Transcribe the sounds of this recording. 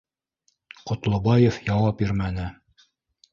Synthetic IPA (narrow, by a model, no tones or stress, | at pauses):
qŏt̪lˠŏbɑjefjɑwɑpiɾmænɘ